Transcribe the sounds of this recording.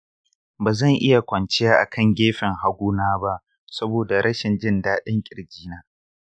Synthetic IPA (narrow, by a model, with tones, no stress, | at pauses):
baː˨zɐ˦˨ŋʔɪ˦ja˨kʷɐ˨nt͡ʃɪ˦jaː˦ʔa̰˨kʰɐ˦˨ŋɡʲeː˦ɸɪ˨ŋha˨ɡʷuː˦naː˦ba˦ʔ | sɐ˦boː˨da˨ɾʔɐ˦ʃɪ˨nd͡ʒɪ˦ndaː˦ɗɪ˦ŋkʲʼɪ˨ɾd͡ʒiː˦naː˦